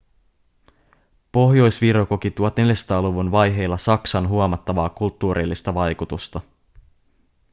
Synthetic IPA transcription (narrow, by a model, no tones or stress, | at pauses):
po̞ɦjo̞jsʋiɾokokit̪uot̪ne̞ljast̪ɑːluʋunʋɑjɦe̞jlːɑsɑksɑnɦuomɑt̪ːɑʋɑːkult̪ːuːɾʔilːist̪ɑʋɑjkut̪ust̪ɑ